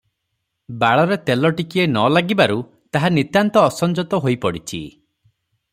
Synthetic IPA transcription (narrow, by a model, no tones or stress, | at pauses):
baɭɔɾet̪elɔʈikienɔlaɡibaɾu | t̪aɦanit̪jant̪ɔːsɔnd͡ʒɔt̪ɔɦojpɔɽit͡ʃʰḭ